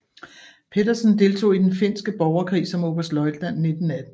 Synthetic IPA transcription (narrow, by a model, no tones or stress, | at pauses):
pʰe̝dɐsn̩d̥e̝lt͡sʰo̝̰ːid̥enfe̝n̰sɡ̥əb̥ɒʊɐkʰʁḭːsɒ̽mo̝ːb̥ɐsd̥lɒ̽ɪd̥læn̰ːe̝d̥n̩æd̥n̩